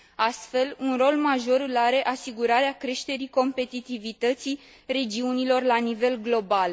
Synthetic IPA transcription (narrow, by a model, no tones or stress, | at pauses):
ast̪fe̞lunro̞lmaʒo̞ɾɨlaɾe̞ʔasiɡuɾaɾeakɾe̞ʃt̪e̞ɾiko̞mpe̞t̪it̪ivit̪ət̪si | re̞d͡ʒiunilo̞rlanive̞lɡlo̞bal